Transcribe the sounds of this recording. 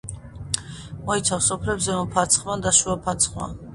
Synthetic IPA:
mɔit̪sʰafsɔpʰlɛbzɛɔmpʰat̪sʰχmad̪aʃuapʰat̪sʰχma̰

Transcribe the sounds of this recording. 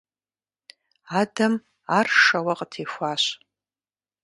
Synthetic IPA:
adɐm | arʂɐwaqʼtʰeːxʷaːɕ

